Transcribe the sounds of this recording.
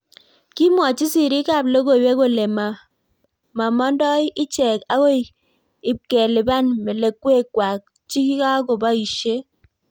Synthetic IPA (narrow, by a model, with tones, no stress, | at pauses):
ki˦mwa˨t͡ʃi˦si˦˨ɾi˦ka˦˨blo˦ɡo˦˨we˦ko˨le˨ma˨ | ma˨mɔ˦ndɔ˦ɪ˦ɪ˦t͡ʃɛ˨ka˦ko˦˨ | ɪ˨kɛ˨lɪ˨ba˦nmɛ˨le˨kːwe˦kwa˨k̚ | t͡ʃi˦ki˦ka˦ko˨ba˦i˨ʃe˦